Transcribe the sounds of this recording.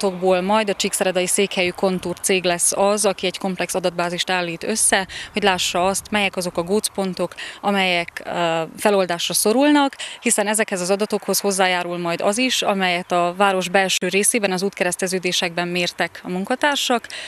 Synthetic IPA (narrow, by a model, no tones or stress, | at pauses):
t̪o̞ɡboːlmɒjd̪ɒt͡ʃiksɛɾɛd̪ɒjiseːkhɛjyko̞nt̪urt̪seːɡlɛsːɒzɒkiɛɟko̞mplɛksɒd̪ɒd̪̚baːziʃt̪aːlːiːt̪ø̞sːɛho̞ɟlaːʃːɒɒst̪mɛjɛkɒzo̞kɒɡoːt̪spo̞nt̪o̞kɒmɛjɛkfɛlo̞ld̪aːʃrɒso̞ɾulnɒkhisɛnɛzɛkhɛzɒzɒd̪ɒt̪o̞kho̞sho̞zːaːjaːɾulmɒjd̪ɒ̰ziʃɒmɛjɛt̪ɒvaːɾo̞ʒbɛlʃøːɾeːseːbɛnɒzuːt̪kɛɾɛst̪ɛzøːd̪eːʃɛɡ̚bɛmmeːrt̪ɛkɒmuŋkɒt̪aːrʃɒk